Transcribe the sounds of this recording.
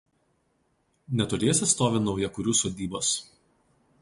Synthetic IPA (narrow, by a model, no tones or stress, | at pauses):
nʲɛt̪ʊɾʲeːsʲɪst̪oːʋʲɪnɒʊjɛkʊɾʲuːsoːd̪ʲiːboːs